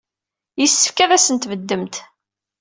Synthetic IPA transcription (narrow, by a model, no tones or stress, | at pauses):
jəsːə̥fkæðæsənt̪vəd̪ːəmt̪